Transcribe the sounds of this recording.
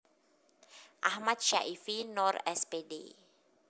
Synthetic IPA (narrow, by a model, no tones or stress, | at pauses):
ʔahmat̪̚ʃa̰ʔifinɔrɛspedḛ